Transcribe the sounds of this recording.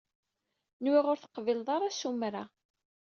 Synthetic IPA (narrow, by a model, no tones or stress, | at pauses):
nwiʁʊɾθə̥qvilðˤɑɾˤasumɾa